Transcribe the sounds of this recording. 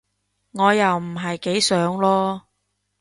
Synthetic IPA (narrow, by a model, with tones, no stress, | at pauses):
ŋɔː˨˧jɐ˨wm̩˨˩ɦɐ˨jke˨˥jsœː˨˥ŋlɔː˥